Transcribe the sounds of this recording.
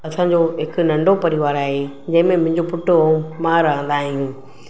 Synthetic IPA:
ɐsãd͡ʑoːɦɪkʊ̆nɐ̃ɳɖʱopɐɾiʋaːɾaːɦe | d͡ʑɐ̃ɦɪ̃mẽmʊ̃ɦɪ̃ɲd͡ʑopʊʈːomãɾɐɦə̃nd̪aːɦijũː

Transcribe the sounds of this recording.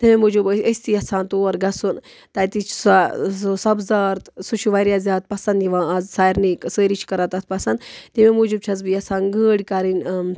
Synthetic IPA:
t̪imemud͡ʒubəsʲt̪ijɐsaːnt̪uːɐɾɡɐsun | t̪ɐjt̪it͡ʃʰsasɐbzɐɾt̪sut͡ʃʰuʋaɾjaːzʲjaːt̪̚pɐsɐnd̪iʋãːɐzsaːjɾniksəːɾit͡ʃʰkɐɾɐt̪ɐt̪̚ʰpɐsɐnd̪t̪imemud͡ʒub̚t͡ʃʰɐzbijɐsaːnɡəːɽʲkaɾinʲ

